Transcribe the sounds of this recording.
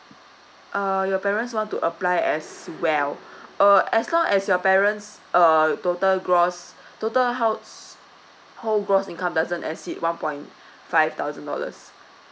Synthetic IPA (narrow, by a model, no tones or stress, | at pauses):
ʔəjɔpɛɹə̃ntswɔ̃ntuʔəplajɛswɛləɛslɔ̃ŋɛsjɔpɛɹə̃nts | ətotəlɡɹɔstotəlɦaʊts | holɡɹɔsĩnkãmdazə̃nɛ̰sitwãnpɔ̃j̃n | faɪv̥t̪aʊzə̃ndɔ̰lə̰s